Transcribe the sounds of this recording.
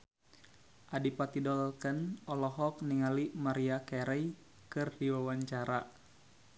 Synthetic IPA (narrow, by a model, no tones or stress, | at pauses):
ʔadipat̪idɔlkənɔlɔɦɔk̚niŋalimaɾiakɛɾɛj | kɨrdiwawaɲt͡ʃaɾa